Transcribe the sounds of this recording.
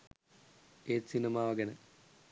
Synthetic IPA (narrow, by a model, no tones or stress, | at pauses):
eːsinɐmaːʋɐɡɐnɐ